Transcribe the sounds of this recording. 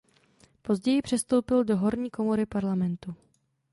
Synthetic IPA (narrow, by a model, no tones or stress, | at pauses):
po̞zɟɛjɪpr̝̥ɛst̪o̞wpɪldo̞ɦo̞ɾɲiːko̞mo̞ɾɪpaɾlamɛnt̪u